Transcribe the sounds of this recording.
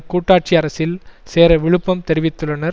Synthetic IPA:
kuːʈːaːʈ̚t͡ʃiɐɾɐsɪlseːɾɐʋɪɻɯpːɐmt̪ɛɾɪʋɪt̪ːɯɭːɐnɐɾ

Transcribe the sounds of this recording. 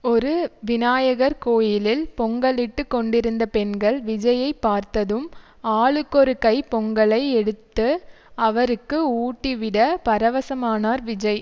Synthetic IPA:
ɔɾɯʋɪnaːjɐɣɐɾkoːjɪlɪlpɔŋɡɐɭɪʈːɯkːɔɳɖɪɾɯnd̪ɐpɛnɡɐɭʋɪd͡ʒɐjɐɪpːaːɾt̪ɐðɯm | aːɭɯkːɔɾɯkɐɪpɔŋɡɐɭɐɪɛɽɯt̪ːɯ | ɐʋɐɾɯkːɯuːʈːiʋɪɽɐpɐɾɐʋɐsɐmaːnaːɾʋɪd͡ʒɐɪ

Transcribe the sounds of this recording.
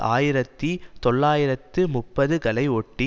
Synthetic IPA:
ʔaːjɪɾɐt̪ːit̪ɔɭːaːjɪɾɐt̪ːɯmʊpːɐðɯkɐlɐɪɔʈːi

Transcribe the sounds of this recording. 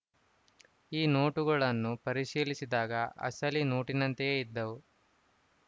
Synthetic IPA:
iːno̞ːʈuɡɐɭɐnːupɐɾiʃiːlisid̪aːɡɐʔɐ̰sɐlino̞ːʈinɐnt̪ejeid̪ːɐwu

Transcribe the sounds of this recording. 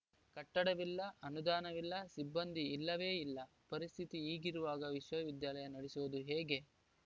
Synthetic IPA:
kɐʈːɐɽɐʋilːɐɐnud̪aːnɐʋilːɐsibːɐnd̪ʱiːlːɐʋe̞ːilːɐ | pɐɾist̪ʰit̪iiːɡiɾuʋaːɡɐʋiʃʋɐʋid̪jaːlɐjɐnɐɽesuʋɐd̪uɦeːɡe̞

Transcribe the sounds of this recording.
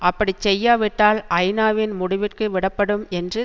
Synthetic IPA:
ʔɐpːɐɽit͡ʃɛjːaːʋɪʈːaːlɐɪnaːʋɪnmʊɽɪʋɪʈkɯʋɪɽɐpːɐɽɯmɛndrɯ

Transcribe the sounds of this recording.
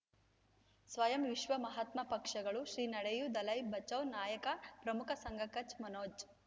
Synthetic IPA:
sʋɐjɐmʋiʃʋɐmɐɦɐt̪mɐpɐkʂɐɡɐɭuʃɾiːnɐɽejud̪ɐlɐjbɐt͡ʃːɐwnaːjɐkɐpɾɐmukʰɐsɐŋɡʱɐkɐt͡ʃmɐnoːd͡ʒ

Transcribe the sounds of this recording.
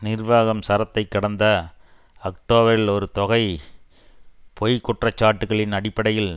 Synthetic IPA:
nɪrʋaːɣɐmsɐɾɐt̪ːɐɪkːɐɽɐnd̪ɐ | ɐk̚ʈoːbɐɾɪlɔɾɯt̪ɔɣɐɪ | pʰɔjkːɔʈrɐt͡ʃːaːʈːɯɣɐɭɪnɐɽɪpːɐɽɐjɪl

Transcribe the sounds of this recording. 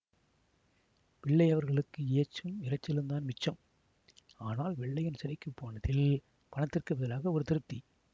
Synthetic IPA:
pɪɭːɐɪɐʋɐɾɣɐɭɯkːɯeɐt͡ʃːɯmɪɾɐt͡ʃːɪɾɯnd̪aːnmɪt͡ʃːɐm | aːnaːlʋɛɭːɐjɪnsɪɾɐɪkːɯpːoːnɐðɪl | pɐɳɐt̪ːɪrkɯʋɛðɐlaːɣɐɔɾɯt̪ɪɾɯt̪ːi

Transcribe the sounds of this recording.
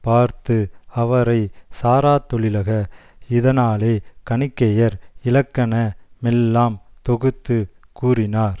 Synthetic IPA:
paːɾt̪ɯɐʋɐɾɐɪsaːɾaːt̪ːɔɭɪlɐɣɐɪðɐnaːleːkɐɳɪkːɐjɐɾɪlɐkːɐnɐmɛlːaːmt̪ɔɣɯt̪ːɯkuːrɪnaːɾ

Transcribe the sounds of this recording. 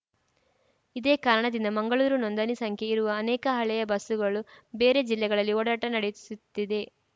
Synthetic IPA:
id̪eːkaːɾɐɳɐd̪ind̪ɐmɐŋɡɐɭuːɾunond̪ɐnisɐŋkʰjeiɾuʋɐːnɛːkɐɦɐɭɛjɐbɐsuɡɐɭube̞ːɾe̞d͡ʒilːɛɡɐɭɐlːioːɽaːʈɐnɐɽesut̪ːid̪e̞

